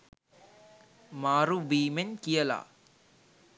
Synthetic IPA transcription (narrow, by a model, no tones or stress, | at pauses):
maːɾuʋiːmenkijəla̰